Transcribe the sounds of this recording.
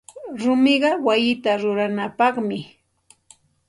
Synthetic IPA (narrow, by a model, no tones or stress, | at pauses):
ɾʊmɪɢɑwajɪt̪aɾʊɾanapɑχmɪ